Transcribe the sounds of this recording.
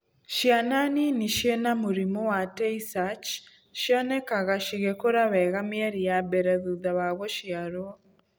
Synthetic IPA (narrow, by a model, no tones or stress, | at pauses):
ʃjananiniʃenamuɾimowatɛisat͡ʃ | ʃjɔnɛkaɣaʃiɣekoɾawɛɣamɪɛɾijabɛɾɛðuðawaɣɔʃiaɾo